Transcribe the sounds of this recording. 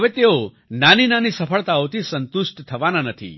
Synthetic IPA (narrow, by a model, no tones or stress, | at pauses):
ɦəʋet̪eo | naninanisəfʰəɭt̪aot̪ʰisənt̪usʈt̪ʰəʋananət̪ʰḭ